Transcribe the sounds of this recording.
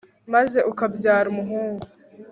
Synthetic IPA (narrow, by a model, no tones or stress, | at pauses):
maze̞ʔukabjaːɾumuɦuːŋɡu